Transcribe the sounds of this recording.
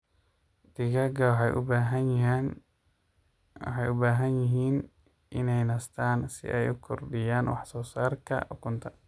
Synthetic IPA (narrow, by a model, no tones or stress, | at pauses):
d̪̥ɪɣɐɡɐwħɑ̰jʔʊbaɦ | ħɑjʊbaːɦɐnjɪɦiːn | ʔɪnɛjnɐst̪ʰaːnsɪ̰ʔɛjʊkʰɔrɖɪjaːnwɑ̰ħsɔːsaːrkʰɐ̰ʊkʰʊnt̪ʰɐ